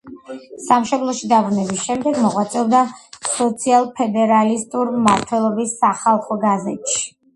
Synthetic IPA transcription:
samʃɔblˠɔʃid̪abɾunɛbisʃɛmd̪ɛɡmɔʁwat̪sʼɛld̪asɔt̪sʰialˠpʰɛd̪ɛɾalist̪ʼuɾmaɾt̪ʰwɛlˠɔbisːaχalˠχɔɡazɛt̪ʃi̥

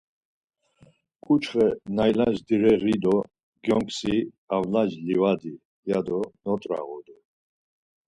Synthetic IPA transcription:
kʼut͡ʃʰχɛnajlad͡ʒd̪iɾɛʁid̪ɔ | ɡjɔŋkʰʼsi | avlad͡ʒlivad̪i | jad̪ɔnɔt̪ʼɾa̰ɣɔd̪u

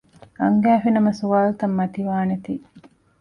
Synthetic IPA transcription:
ɐŋɡæːfinɐmɐsuʋaːlut̪ɐmːɐt̪iʋaːnet̪iː

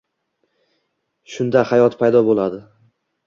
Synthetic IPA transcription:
ʃʊnd̪ahajɒt̪pʰajd̪ɒbolˠad̪ɪ

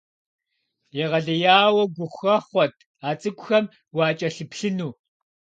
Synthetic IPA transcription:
jɛʁɐɮɐjaːwɐɡʷʊχʷxɐχʷɔtʰ | aːt͡sʼɨkʷʼʊxɐm | wɑːt͡ʃʼɐɬɨpɬɨnuː

